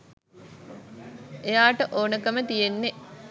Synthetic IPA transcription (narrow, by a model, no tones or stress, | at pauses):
ejaːʈəʔoːnəkəmət̪ijenːe